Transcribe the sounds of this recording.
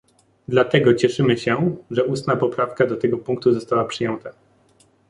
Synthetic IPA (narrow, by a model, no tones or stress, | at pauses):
d̪lat̪ɛɡɔt͡ɕɛʂɘmɘɕɛʐɛust̪napɔpɾafkad̪ɔt̪ɛɡɔpuŋk̚t̪uzɔst̪awapʂɘjɛnt̪a